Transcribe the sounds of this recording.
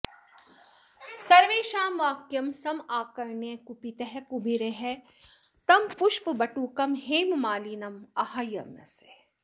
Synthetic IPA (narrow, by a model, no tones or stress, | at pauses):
sɐɾʋeːʃaːmʋaːkjɐmsɐmaːkɐɾnekupit̪eɦɛkubʱiɾeɦɛ | t̪ɐmpuʃpbɐʈuːkɐmɦeːmmaːliːnɐmɐhajɐ̰mɐ̰se̥